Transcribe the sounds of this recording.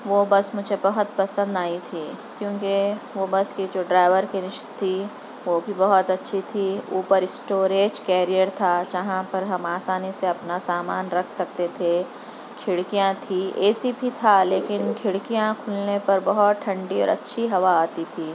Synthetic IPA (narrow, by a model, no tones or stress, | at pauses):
ʋoːbɐsmʊd͡ʒʱebɐɦʊt̪pɐsə̃nd̪aːit̪ʰiːkjõːkeʋoːbɐskid͡ʒoːɖɾaːɪʋəɾkenɪʃst̪ʰi | ʋobʱibɐɦɔt̪ɐtːʃʰit̪ʰiuːpəɾɪsʈoːɾeːd͡ʒkɛːɾijəɾt̪ʰad͡ʒɐɦãpɐɾɦɐmaːsaːniseɐpnasaːmaːnɾɐkʰsɐk̚t̪et̪ʰe | kʰɪɽkijãt̪ʰieːsibʱit̪ʰaleːkɪnkʰɪɽkijãkʰʊlnepɐɾbɐɦɔt̪ʈʰɐ̃ɳɖiɔ̰ːɾɐ̰tːʃʰiɦɐʋaaːt̪it̪ʰiː